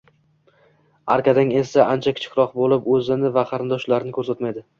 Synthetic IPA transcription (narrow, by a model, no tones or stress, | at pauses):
a̰ɾkʰʲad̪aŋe̞saʔant͡ʃʰakʲʰɪ̥t͡ʃʰɪ̥kʲɾɒqbolɪpɵzɪnɪvaqʰɑɾɪnd̪ɒʃlaɾɪnɪkʰɵɾsat̪majd̪ɪ